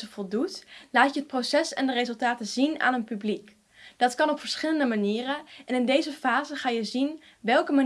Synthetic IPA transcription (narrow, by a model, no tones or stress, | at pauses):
əvɔlˠdutlaːtəɦət̚prowsɛsɛ̰ndərezɵlˠtaːtəzina̰ːnənpyblik | d̥ɑtkɑnɔpfəɹsχɪləndəmaniːrəʔɛnɪndejzəfaːzəχaːjəzin | ʋɛlˠkəma